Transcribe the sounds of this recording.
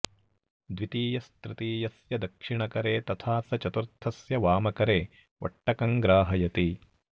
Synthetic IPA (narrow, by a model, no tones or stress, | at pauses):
d̪ʋit̪iːjɐst̪ɾɪt̪iːjɐsjɐd̪ɐkʂiɳɐkɐɾeːt̪ɐt̪ʰaːsɐt͡ʃɐt̪uɾt̪ʰɐsjɐʋaːmɐkɐɾeː | ʔɐ̰ʈːɐkɐŋɡɾaːɦɐjɐt̪i